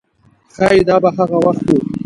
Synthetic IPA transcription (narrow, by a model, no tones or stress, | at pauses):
xɑid̪ɑːbaɦaɣawaxt̪wu